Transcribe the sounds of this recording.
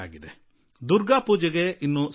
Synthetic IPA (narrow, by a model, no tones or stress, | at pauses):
a̰ːɡid̪e | d̪uɾɡaːpuːd͡ʒɛɡeinːus